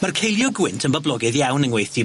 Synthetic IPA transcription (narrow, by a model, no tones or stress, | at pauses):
markʰejlˠjɔɡwɪntʰənbəblˠɔɡɨðjawnənwejθi